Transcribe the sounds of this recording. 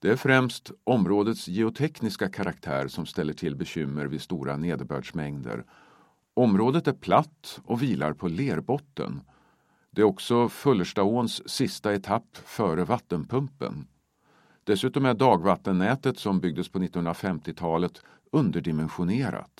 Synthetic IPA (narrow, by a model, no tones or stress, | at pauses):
d̪̥ɛæɾfɾɛmst̪ɔmɾoːd̪ət̪sjɛʊt̪ʰɛknɪskakʰaɾʔakt̪ʰæ̰ːɾʂɔmst̪ɛlːəʈʰɪlbɛɕʏmːəɾvɪst̪uːɾa̰neːd̪bœ̰ːɖʂmɛŋd̪ə̰ɾ | ɔmɾoːd̪ət̪æɾpʰlat̪ːɔviːla̰ɾpʰɔleːɾbɔt̪ːə̰n | d̪̥ɛæɾɔksɔfɵlːəʂʈaoːnsːɪst̪aɛt̪ʰapːfœːɾəvat̪ːənpʰɵmpə̰n | d̪̥ɛsʉ̟ːt̪ɔmæɖɑːɡvat̪ːənːɛːt̪ət̪sɔmbʏɡ̚d̪əspʰɔnɪt̪ːnhɵnɾafɛmt̪ɪt̪ʰɑːlət̪ | ɵnd̪əɖɪmɛnɧʊneːɾa̰t̪